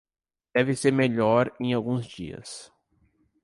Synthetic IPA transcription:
d̪̥ɛvɪseɾmeʎɔɾẽj̃awɡũzd͡ʒiɐ̰s

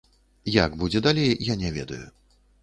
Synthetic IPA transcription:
jaɡbud͡zʲɛd̪alʲejjanʲɛvʲɛ̰d̪ɐju

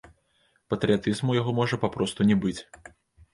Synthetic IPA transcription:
pɐt̪ɾʲɨjat̪ɨzmujaɣɔmɔʐɐpapɾɔst̪unʲɛbɨt͡sʲ

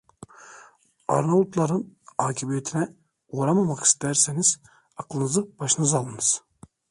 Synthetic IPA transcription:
a̰ɾnault̪lˠaɾɯnaːcʰibijet̪ʰinɛ | oːɾamamaki̥st̪ʰæɾseniz̥ | aklˠɯnɯzɯb̥aʃɯnɯzalˠɯnɯz̥

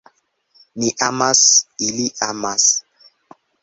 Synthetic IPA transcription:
niʔamasiliʔamas

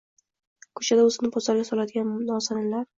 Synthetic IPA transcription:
kʰɵ̥t͡ʃʰad̪aɵzɪnɪpʰɒzaɾɡʲasɒlad̪ɪɡʲanmnɒsanalaɾ

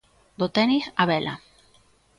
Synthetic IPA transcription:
d̪ot̪enisaβelʔa̰

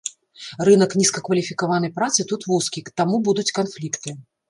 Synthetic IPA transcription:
rɨnɐknʲiskɐkvɐlʲifʲikavanɐjpɾat̪sɨt̪ut̪vuskʲikt̪amubud̪ut͡sʲkanflʲikt̪ɨ

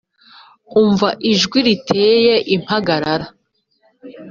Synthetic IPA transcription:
uɱvaʔiʒɡwiɾitʰeːje̞ʔim̥haɡaɾaɾa

